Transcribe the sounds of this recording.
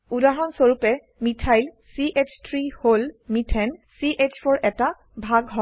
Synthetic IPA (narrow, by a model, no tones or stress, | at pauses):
udaɹɔnsoɹupɛ | mitʰajl | siʔet͡ʃʰtʰɹiholmitʰɛnsiʔet͡ʃfʰɔɹʔɛta | bʱaɡɦɔ